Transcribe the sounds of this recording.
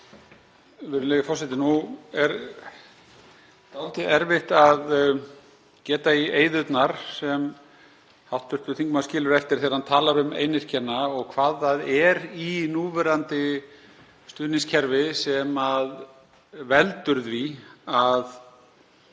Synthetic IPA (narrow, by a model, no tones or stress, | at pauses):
vɪɾɪnleːjɪfɔrsɛt̪̬ɪnuɛɾ | t̪awlt̪ɪɛɾvɪht̪að | cɛːt̪aieːjðʏt̪naɾ̥sɛm | hawht̪ːʏr̥t̪ʏ̥θiŋkmascɪːlʏɾɛft̪ɪɾ̥θeːɾhant̪ʰaːlaɾʏmḛːjnɪr̥cʰɛnːaɔɣkʰvaːðaðɛɾinuːvɛɾant̪ɪ | st̪ʏðniŋscʰɛɾvɪsɛmað | vɛlt̪ʏɾðviað